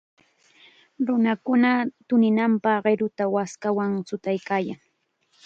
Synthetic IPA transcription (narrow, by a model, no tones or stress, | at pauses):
ɾʊnakʊnat̪ʊnɪnampɑχɢeɾʊt̪awaskawaŋsʊt̪ajkaːja̰ŋ